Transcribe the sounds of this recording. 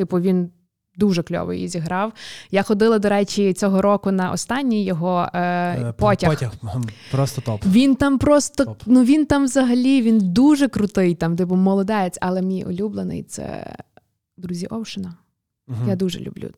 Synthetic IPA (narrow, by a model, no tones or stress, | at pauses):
t̪ɪpɔʋʲin | d̪uʒɛklʲɔ̰ʋɪ̰jizʲiɦɾɑwjaxɔd̪ɪlˠɐd̪ɔɾɛt͡ʃʲit͡sʲɔɦɔɾɔkʊnɐʔɔ̰st̪ɑnʲːijjːɔɦɔ | pɔtʲɐxpɾɔst̪ɔt̪ɔpʋʲint̪ɑmpɾɔst̪ɔnuʋʲint̪ɑmʋzɐɦɐlʲiʋʲind̪uʒɛkɾʊt̪ɪjt̪ɑmd̪ɪpʊmɔlˠɔd̪ɛt͡sʲɐlˠɛmʲijɔ̰lʲublˠenɪ̰jt̪sɛ̰ | d̪ɾuzʲiʔɔwʃɪnɐ | jad̪uʒɛ̰lʲṵblʲṵ